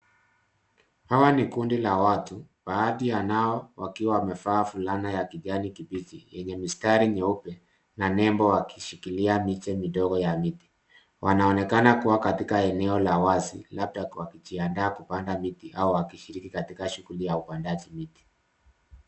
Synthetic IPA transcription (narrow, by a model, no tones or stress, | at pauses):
hawanikundilawatubaːðijanaɔwakiwawamɛfaːfulanajakiʄanikiɓit͡ʃijɛɲɛmistaɾiɲɛupɛ | nanɛmbɔwakiʃikiliamit͡ʃɛmiɗɔɡɔjamiti̥ | wʔanaɔnɛkanakuwakatikaɛnɛɔlawazilap̚tawakit͡ʃiandaːkupandamitiʔauwakiʃiɾikikatikaʃuɣulijaupandaʄimiti̥